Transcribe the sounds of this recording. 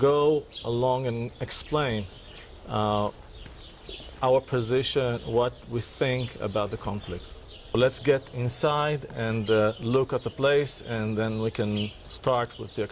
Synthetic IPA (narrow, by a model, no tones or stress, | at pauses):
ɡoʊəlɔ̃ŋɨ̃nɨksplẽɪ̃n | ʔaʊə˞pʰɨzɪʃɨ̃nwʌt̚wiθɪ̃ŋkʰə̰baʊt̪̚ðəkʰɑ̃ɱflɪk̚t̚ | lɛtsɡɛɾɪ̃nsaɪdɨ̃nlʊkət̪̚ðəpl̥eɪsɨ̃nðɛ̃nwikʰɨ̃n | stʰɑɹt̚ʰwɪðiɛk